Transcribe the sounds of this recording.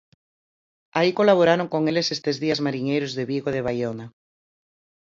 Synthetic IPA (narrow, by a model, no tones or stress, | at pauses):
aikolaβ̞oɾaɾoŋkoŋelesest̪ezðiazmaɾiɲejɾozðeβiɣoð̞eβ̞ajona